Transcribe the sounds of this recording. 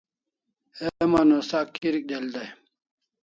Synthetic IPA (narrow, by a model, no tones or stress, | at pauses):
emanosaːkːiɾik̚d̪eld̪aj